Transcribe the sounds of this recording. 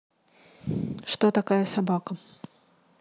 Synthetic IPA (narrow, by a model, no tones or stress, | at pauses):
ʂt̪ot̪akajəsabakə